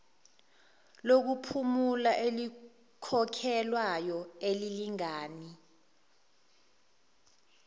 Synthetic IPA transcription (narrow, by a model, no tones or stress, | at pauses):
lok̬upʰumulaʔeli | kʰɔkʰɛlwajɔeliliŋaːni